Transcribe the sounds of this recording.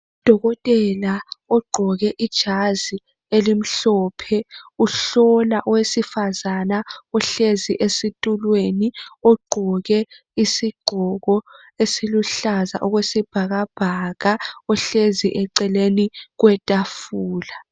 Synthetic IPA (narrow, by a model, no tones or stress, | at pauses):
ud̥ʱɔɣɔtʼɛlaɔɡ͡ǃʱɔɣɛʔid̥ʒ̥ʱazi | elim̩ɬɔːpʰɛuɬɔlaʔɔwesifazanaɔɬeziʔesitʼulweniɔɡ͡ǃʱɔɣɛ | isiɡ͡ǃʱɔɣɔ | esiluɬaza̰ʔɔɣwesib̥ʱaɣab̥ʱaɣaɔɬeziʔɛǀɛleniɣwɛtʼafuːla